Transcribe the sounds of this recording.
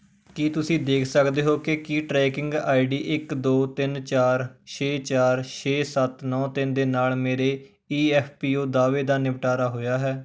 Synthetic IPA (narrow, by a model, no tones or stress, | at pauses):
kiːt̪ʊsĩːd̪eːkʰsəkd̪eːɦoːkɪkiːʈɾɛːkɪ̃ŋɡa̰ːiɖiːʔɪkd̪oːt̪ɪnt͡ʃaːɾʃʰeːt͡ʃaːɾʃʰeːsət̪nɔ̃ːt̪ɪnd̪eːnaːlmeːɾeː | iːɛːpʰpiːoːd̪aːʋeːd̪aːnɪʋʈaːɾaːɦoːjaːɦɛː